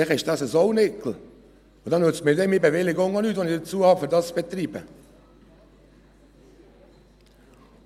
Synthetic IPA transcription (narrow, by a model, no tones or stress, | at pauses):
ɪχɪʃd̥ɑsəzɔʊnɪkl̩ | od̪ɑnøt͡stmɪːdɛmɪbeʋɪlɪɡoŋɑnyːt̪vʋɔnɪd̥ət͡suəhɑfʏɾdɑst͡sb̥et̪riːbə̰